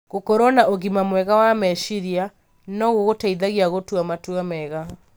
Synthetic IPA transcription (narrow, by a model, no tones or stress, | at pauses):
ɣokɔɾɔnaʔoɣimamwɛɣawamɛʃiɾia | nɔɣoɣotaiðaɣiaɣotuamatuamɛɣa